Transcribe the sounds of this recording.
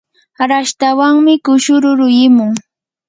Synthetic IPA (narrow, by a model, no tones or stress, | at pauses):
ɾaʃt̪awaŋmɪkʊʃʊɾʊɾʊjɪmʊŋ